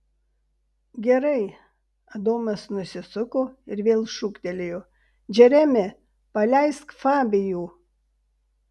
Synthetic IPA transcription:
ɡʲɛɾɐɪ | ɐd̪oːmɐsnʊsʲɪsʊkoːɪɾʋʲeːlˠʃʊkt̪ʲɛlʲɪjoː | d͡ʒʲɛɾʲæmʲɪ | pɐlʲæɪskfɑːbʲɪjuː

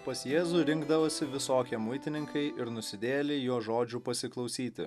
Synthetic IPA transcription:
pɐsjeːzuɾʲɪŋɡd̪ɐʋoːsʲɪʋʲɪsoːkʲiɛmʊɪt̪ʲɪnʲɪŋkɐɪʔɪɾnʊsʲɪd̪ʲeːlʲejoːʒoːd͡ʒʲupɐsʲɪklˠɐʊsʲiːt̪ʲɪ̰

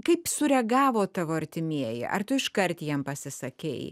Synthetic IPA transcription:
kɐɪpsʊɾʲɛɡɑːʋoːt̪ɑʋoːɐɾʲt̪ʲɪmʲiɛjɛ̰ʔɐ̰rt̪ʊɪʃkɐɾʲt̪jɛmpɐsʲɪsɐkʲɛ̰ɪ

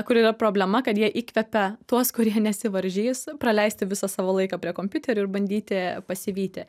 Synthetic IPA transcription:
kʊɾiːɾɐpɾoːbʲlʲɛmɐkɐt̪jiɛʔiːkʋʲɛpʲɛt̪uɔskʊɾʲiɛnʲɛsʲɪʋɐɾʲʒʲiːspɾɐlʲɛɪsʲt̪ʲɪʋʲɪsɑsɑːʋoːlˠɐɪkɐpʲɾʲiɛkoːmʲpʲʊt̪ʲɛɾʲʊɪɾbɐnʲd̪ʲiːt̪ʲɪpɐsʲɪʋʲiːt̪ʲɪ

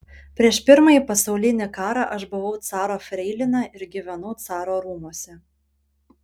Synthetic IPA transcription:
pʲɾʲiɛʃpʲɪɾmɑjiːˑpɐsɐʊlʲɪnʲɪkɑːɾɑʔɐʃbʊʋɐʊt̪sɑːɾoːfʲɾʲɛɪlʲɪnɑɪɾɡʲiːʋʲɛnʊt̪sɑːɾoːɾuːmoɔsʲɛ

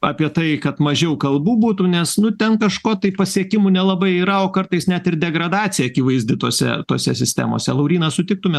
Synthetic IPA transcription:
ɑːpʲiɛt̪ɐɪkɐt̪mɐʒʲɛʊkɐlˠbuːbuːt̪unʲɛsnʊt̪ʲɛnkɐʃkoːt̪ɐɪpɐsʲiɛkʲɪmunʲɛlˠɐbɐɪiːɾɐoːkɐrt̪ɐɪsnʲæt̪ɪrd̪ʲɛɡɾɐd̪ɑːt͡s̪ʲɪjɛɐkʲiʋɐɪzʲd̪ʲɪt̪o̰ːsʲɛ̰t̪oːsʲɛsʲɪsʲt̪ʲæ̰mo̰sʲɛlˠɐʊɾʲiːnɐsʊt̪ʲɪk̚t̪ʊmʲɛ

